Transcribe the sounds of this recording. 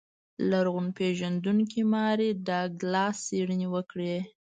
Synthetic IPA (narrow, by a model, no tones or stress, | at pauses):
laɾɣʊnpeʒand̪uŋk̬imɑɾed̪aɡlɑseɽənewəkɽe